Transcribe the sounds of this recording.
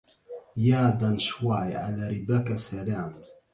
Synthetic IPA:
jaːd̪anʃwaʕiʕa̰laɾɪbakasalaːm

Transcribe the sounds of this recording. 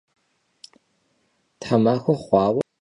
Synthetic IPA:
tʰħamaːxʷɐχʷɑːwɐ

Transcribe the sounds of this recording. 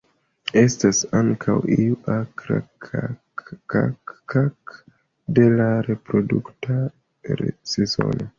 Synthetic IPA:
e̞stasaŋkʰawiuʔakɾa̰a | a̰kːak | de̞laɾe̞pɾo̞dukta | ɾesezo̞̰no

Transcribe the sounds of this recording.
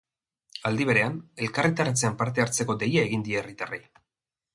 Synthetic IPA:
ald̪iβ̞e̞ɾe̞ane̞lkaret̪aɾat͡se̞ampaɾt̪e̞aɾt͡se̞ko̞d̪e̞jae̞ɣind̪ierit̪arej

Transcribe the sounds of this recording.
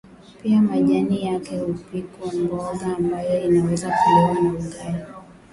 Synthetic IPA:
piamaʄanijakɛhupikwambɔɠaːmbajɔinawɛzakulɔanauɡai

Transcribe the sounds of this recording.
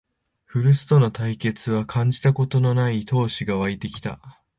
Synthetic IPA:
ɸɯ̟ɾɯ̟sɨ̥t̪o̞no̞t̪aike̞t͡sɨβ̞akʰãɲ̟d͡ʑi̥t̪ako̞t̪o̞no̞nait̪o̞ːɕiɡaβ̞ait̪e̞kʲi̥t̪a̰

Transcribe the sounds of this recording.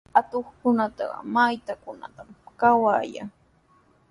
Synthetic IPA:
at̪oχkʊnat̪ɑ̰ɢɑ̰majt̪akʊna̰t̪amkawaːja̰ŋ

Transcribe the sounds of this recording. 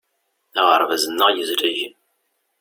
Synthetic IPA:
əʁəɾˤvæzənːəjəzɾæʝən

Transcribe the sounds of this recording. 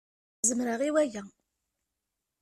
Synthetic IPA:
zəmɾəʁiwæjæ

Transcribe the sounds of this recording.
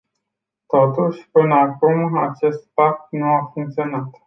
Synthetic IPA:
t̪ot̪uʃʲpɨnəakumat͡ʃe̞st̪pak̚t̪nuafuŋk̚t̪sionat̪

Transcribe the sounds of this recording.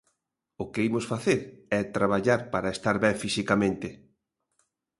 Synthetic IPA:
ʊkɪimosfaθeɾɛt̪ɾaβaʎaɾpaɾaest̪aɾβɛfisikamẽnt̪ɪ

